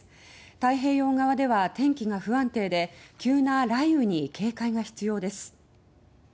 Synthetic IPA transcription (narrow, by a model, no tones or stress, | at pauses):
t̪aiɦe̞ːo̞ːŋɡaβad̪e̞βat̪ẽ̞ŋkʲiɡaɸɯ̟βãnt̪e̞ːd̪e̞kʲɨːnaɾaiɯ̟ɲ̟ikʰe̞ːkaiɡaçi̥t͡sɨjo̞ːd̪e̞sɨ̥